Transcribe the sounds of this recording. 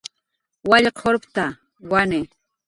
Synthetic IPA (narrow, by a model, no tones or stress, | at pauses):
waʎqoɾpt̪a | wanɪ